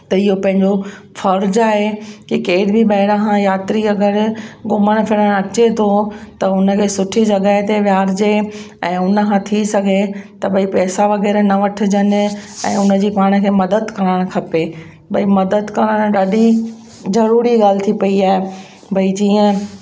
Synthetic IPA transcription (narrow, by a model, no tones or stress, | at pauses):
t̪ɐɪɦopɐ̃ɦɪ̃ɲd͡ʑo | fɐɾd͡ʑaːɦekikeːɪɽbʱɪɓɐːɪɽãkʰãjaːt̪ɾiɐɡəɾɡʊməɽ̃̆fʰɪɽəɽ̃ɐt͡ɕet̪ʰot̪ɐʊnə̆kʰeːsʊʈʰid͡ʑɐɡaɦet̪eʋjaːɾd͡ʑeɛ̃ːʊnə̆kʰãːt̪ʰisɐɡʱet̪ɐbɐipɛːsaʋɐɣɛːɾnɐʋɐʈʰɪ̆d͡ʑən̆ɛ̰̃ːʊnə̆d͡ʑiːpaːɽ̃əkʰeːmɐd̪əd̪kɐɾəɽ̃kʰɐpe | bɐimɐd̪əd̪kɐɾəɽ̃ɗaːɗi | zɐɾuːɾiɡaːl̤ɪt̪ʰipɐiaːɦe | bʱɐid͡ʑiːə̃